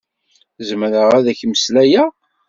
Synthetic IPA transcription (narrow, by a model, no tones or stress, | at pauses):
zəmɾəʁæðæçməslæjæ